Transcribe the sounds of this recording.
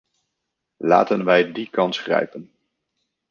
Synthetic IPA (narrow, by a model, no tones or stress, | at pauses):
la̰ːtənʋɛjdikɑnsχrɛ̰jpən